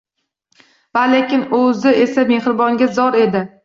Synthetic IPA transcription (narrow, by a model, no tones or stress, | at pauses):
valekʲɪnɵzɪe̞same̞hɾɪbɒŋɡʲazɒɾe̞d̪ɪ